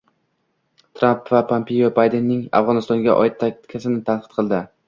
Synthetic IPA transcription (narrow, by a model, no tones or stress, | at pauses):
t̪ʰɾampvapʰːampʰejobajd̪enːɪŋa̰fʁɒnɪst̪ɒŋɡʲaʔɒ̰jɪt̪ʰːakʲt̪kʲʰasɪnɪt̪ʰanqʰɨt̪̚qʰɨlˠd̪ɪ